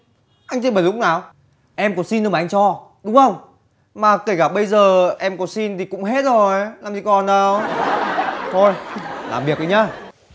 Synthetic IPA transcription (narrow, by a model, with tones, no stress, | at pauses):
ʔa˧jŋ̟t͡ɕə˧ɓə˨˩lʊ˦˥k͡p̚naː˨˩w | ʔɛ˧mkɔ˨˦si˧n˧˩aː˨˩˨ʔŋ̟t͡ɕɔ˧ɗʊ˨˦ŋ͡mxə˧wŋ͡m | maː˨˩ke˧˩kaː˧˩ɓə˧jzəː˨˩ʔɛ˧mkɔ˨˦si˧nt̪ʰi˨˩kʊ̰˧˥ŋ͡mɦe˦˥t̚zo˨˩jlaː˨˩mzi˧˦kɔ˨˩nə˨˧w | t̪ʰo˧jla̰ː˨˩mɓi˨˩ək̚ʔə˧jɲaː˧